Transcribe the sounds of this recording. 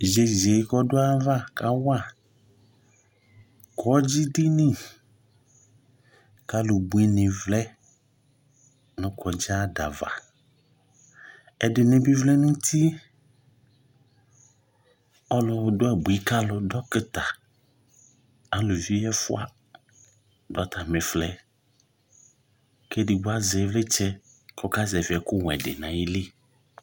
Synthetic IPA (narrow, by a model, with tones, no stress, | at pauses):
ʒe˨ze˨˦kɔ˦dʊ˦a˦va˦ka˦wa˦˨ | kʰɔ˨˦d͡ʒi˦di˦nĩ˦ | ka˦lʊ˨bu˨i˦nɪ̃˨vlɛ˦ | nʊ̃˨kɔ˨d͡ʒa˦da̰˨va̰˨ | ɛ˦dɪ˨nɪ̃˦bi˦vlɛ˦nũ˦t̪ʰi˦ | ɔ˦lʊ˨dʊ˦a˦˨bu˨i˦ka˦lʊ˨dɔ˦kɪ˦t̪a˨ | a˨˦lʊ˨vi˦ɛ˦fʊ˦a˦˨ | da˦tʰa˨mɪ̃˨flɛ˦ | ke˦dɪ˨ɡ͡bʊ˦a˦zɛ˨˦vlɛ˦t͡ʃɛ˦ | kɔ˦ka˦zɛ˨vɪ˨ɛ˨kʊ˦w̃ɛ̰˨dɪ̰˨nã˨jɪ˦li˦